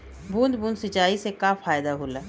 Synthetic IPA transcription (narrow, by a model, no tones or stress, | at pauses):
bʱũːnd̪bũːnd̪sɪt͡ʃaːisekaːfaːjd̪aɦulaː